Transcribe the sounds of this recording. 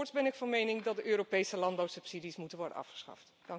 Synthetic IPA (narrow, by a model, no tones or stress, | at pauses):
ɹtsbɛnɪkfɑnmejnɪŋdɑt̚dəʔøːɾopejsəlɑnbɑwsɵpsidismutənʋɔɹdənʔɑ̰fχə̥sχɑ̰ft | d̥ɑŋ